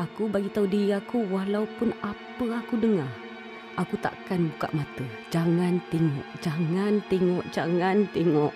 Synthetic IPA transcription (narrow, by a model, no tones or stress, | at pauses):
akubaɡit̪audiiakuwaɦlaupʊnapəakudəŋa | akut̪a̰ʔkanbuka̰ʔmat̪ə | d͡ʒaŋant̪eŋɔ̰ʔd͡ʒaŋant̪eŋɔʔd͡ʒaŋant̪eŋɔʔ